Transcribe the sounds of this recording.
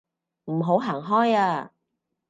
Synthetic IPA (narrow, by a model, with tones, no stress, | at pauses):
m̩˨˩ɦo˨˥wɦaː˨˩ŋɦɔː˥jaː˧